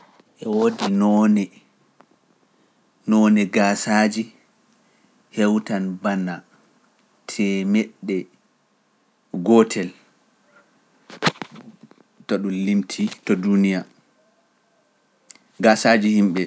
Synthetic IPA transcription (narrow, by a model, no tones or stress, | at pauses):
ʔɛwodinɔnɛ | nɔnɛɡasad͡ʒi | hɛwtanbana | tʰɛmɛɗːɛ | ɡɔtʰɛl | tɔɗunlimtʰitɔdunija | ɡasaːd͡ʒihimɓɛ